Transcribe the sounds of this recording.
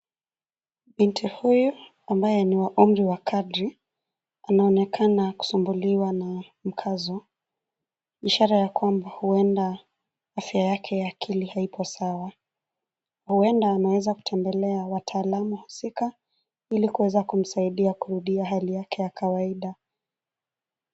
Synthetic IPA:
ɓintʰihuju | ambajɛniwaʔum̩ɾiwakʰadɾi | anaɔnɛkʰanaku̥sumbuliwana | m̩kʰazɔ | iʃaɾajakwambahuɛnda | afjajakʰɛjaːkʰilihaipʰɔsawa | huɛndaːnawɛzaku̥tʰɛmbɛlɛawatʰaːlamuhusika | ilikuwɛzakum̩saiɗiakuɾuɗiaɦalijakʰɛjakʰawaiɗa

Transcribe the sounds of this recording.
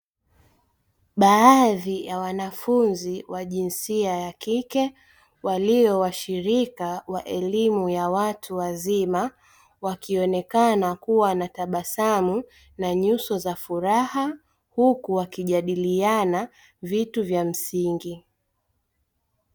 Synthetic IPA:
ɓaːðijawanafunziwaʄinsiajakikɛ | waliɔwaʃiɾikawaʔɛlimujawatʰuwazima | wakiɔnɛkanakuwanataɓasamu | naɲusɔzafuɾaha | hukuwakiʄaɗiliana | vituvjam̩siŋɡi

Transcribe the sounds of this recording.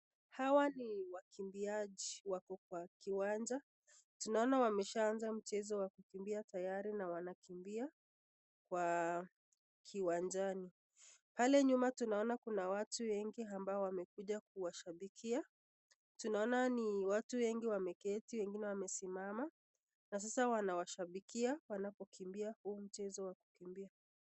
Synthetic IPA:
hawaniwakʰimbiaʄiwakɔk̚wakiwand͡ʒa | tunaɔnawamɛʃaːnzam̩t͡ʃɛzɔwakukimbiatajaɾinawanakimbia | kwa | kʰiwand͡ʒani | palɛɲumatunaɔnakunawatuwɛŋɡiambaɔwamɛkuʄak̚uwaʃaɓikʰia | tunaɔnaniwatuwɛŋɡiwamɛkɛtiwɛŋɡinɛwamɛsimama | nas̬asawanawaʃaɓikʰiawanapɔkʰimbiahuːm̩t͡ʃɛzɔwaku̥kimbia

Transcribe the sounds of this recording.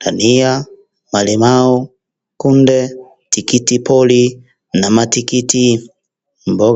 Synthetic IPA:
tania | malimaɔ | kundɛ | tikitipɔli | namatikiti | mbɔ

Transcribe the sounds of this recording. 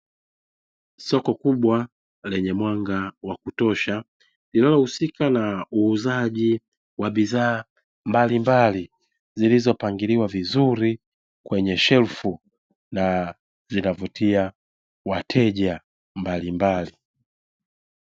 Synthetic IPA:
sɔkɔkuɓwa | lɛɲɛmwaŋɡawakutɔʃa | lilalɔhusikanauːzaʄi | waɓizaː | mbalimbali | zilizɔpaŋɡiliwavizuɾi | kwɛɲɛʃɛlfu | na | zinavutʰia | watʰɛʄa | mbalimbali

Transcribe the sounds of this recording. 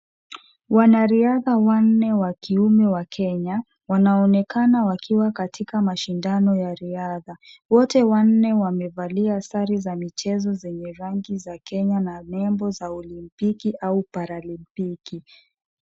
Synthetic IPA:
wanaɾiaðawan̩nɛwakiumɛwakʰɛɲa | wanaɔnɛkanawakʰiwakatʰikamaʃindanɔjaɾiaðawɔtɛwan̩nɛwamɛvaliaasaɾizamit͡ʃɛzɔzɛɲɛɾaŋɡizakɛɲananɛmbɔzaɔlimpikiʔaupaɾalimpiki

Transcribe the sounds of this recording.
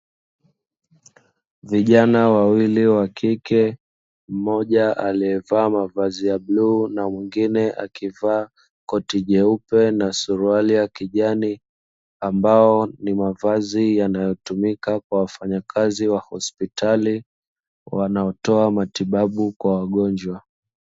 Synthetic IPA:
viʄanawawiliwakʰikɛ | m̩mɔʄaʔaliɛvaːmavazijabluːnamwiŋɡinɛʔa̰kivaː | kɔtiʄɛupɛnasuɾualiakiʄani | ambaɔnimavazijanajɔtumikakwawafaɲakʰaziwahɔspitʰali | wanaɔtɔamatiɓaɓukwawaɠɔɲd͡ʒwa

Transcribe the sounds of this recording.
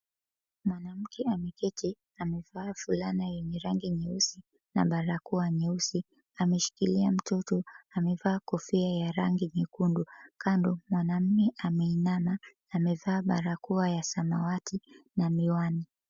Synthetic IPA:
mwanam̩kʰɛamɛkɛti | amɛvaːfulanajɛɲɛɾaŋɡiɲɛusi | na̰ɓaɾakuaɲɛusi | amɛʃi̥kiliam̩tɔtɔamɛvaːkɔfiajaɾaŋɡiɲikundukandɔmwanam̩mɛʔamɛinanaː | mɛvaːɓaɾakuajasamawatʰinamiwani

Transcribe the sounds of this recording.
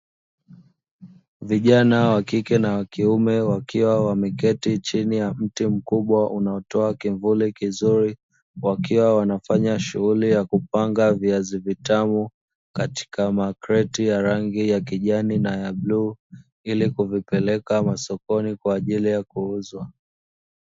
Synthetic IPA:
viʄanawakikɛnawakiumɛwakiwawamɛkɛtit͡ʃinijam̩tim̩kuɓwaʔunaɔtɔakiɱvulikizuɾi | wakiwawanafaɲaʃuɣulijakupaŋɡaviazivitamu | kati̥kamakɾɛtijaɾaŋɡijakiʄaninajabluː | ilikuvipɛlɛkamasɔkɔnikwaːʄilijakuuzwa

